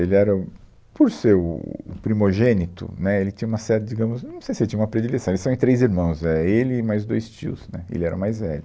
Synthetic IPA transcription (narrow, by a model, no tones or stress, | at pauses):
elɪɛɾɐ | poɾsew̰pɾimoʒẽnit̪ʊ̰nɛelɪt͡ʃĩɲɐũmɐsɛɾt̪ɐd͡ʒiɡɐ̃mʊznɐ̃w̃sejsɪelɪt͡ʃĩɐũmɐpɾed͡ʒilesɐ̃elɪsɐ̃w̃ẽt̪ɾejziɾmɐ̃w̃sɛelɪmajzd̪ojst͡ʃḭʊ̰snɛḛlɪɛɾɐ̃majzvɛ̰lʊ